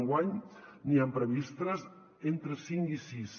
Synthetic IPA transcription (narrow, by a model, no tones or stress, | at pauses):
ŋɡwaɲniampɾəβist̪ɾəz | ent̪ɾəsiŋisis